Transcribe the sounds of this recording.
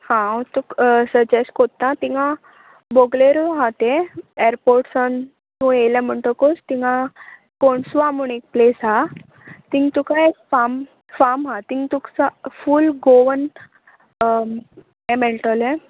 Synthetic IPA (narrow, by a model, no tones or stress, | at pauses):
hãot̪uksəd͡ʑeskot̪ːãt̪ĩŋɡã | boɡleɾoɦat̪ẽeɾpoɾʈsan | t̪ũelɛ̃m̤əɳʈ̪əkost̪iŋɡã | koɳsʋamunek̚plesɦa | t̪ĩŋt̪ukaekfam | famɦat̪iŋt̪ukt͡safulɡoʋən | ẽmeɳʈəlɛ̃